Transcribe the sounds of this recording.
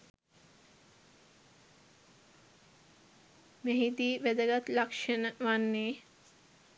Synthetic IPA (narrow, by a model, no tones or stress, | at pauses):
meɦid̪iːʋed̪əɡat̪lakʃenəʋanːeː